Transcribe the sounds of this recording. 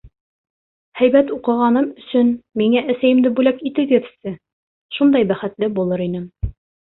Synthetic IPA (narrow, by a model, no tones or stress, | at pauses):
hæjbæt̪uqɤ̆ʁɑnɤmɵ̆sɵnmiŋæʔæsæjɘ̆md̪ɘbʉlækit̪ɘɡɘ̆ðsɘ | ʃund̪ɑjbæχɘ̆t̪lɘbulˠɤɾinɘm